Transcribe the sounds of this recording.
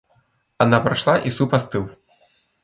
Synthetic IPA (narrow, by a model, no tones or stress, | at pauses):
anapɾaʂlˠaʔisupast̪ɨlˠ